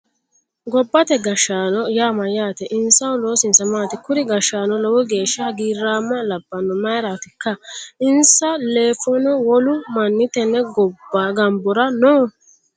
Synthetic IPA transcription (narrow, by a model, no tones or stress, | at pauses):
ɡɔbːɐt̪ɛɡɐʃaːnɔjaːmɐjaːt̪ɛʔɪnsɐwʊlo̞ːsɪnsɐmaːt̪ɪkʊɾɪɡɐʃaːnɔlɔwɔɡe̞ːʃːɐɡiːɾːaːmːɐlɐbːɐnɔmɐjɾaːt̪ɪkːɐɪnsɐleːfɔnɔwɔlʊmɐnːɪt̪ɛnːɛɡɔbːaɡɐmbɔɾɐnoː